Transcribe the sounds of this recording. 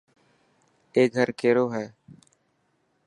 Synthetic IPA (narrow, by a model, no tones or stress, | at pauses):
eːɡʱəɾkeːɾoːɦɛː